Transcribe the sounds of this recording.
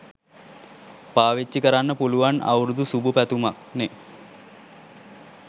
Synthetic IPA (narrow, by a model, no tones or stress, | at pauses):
paːʋet͡ʃːikɐɾanːɐpuluʋanɐ̰wɾud̪usubupæt̪umak̚ne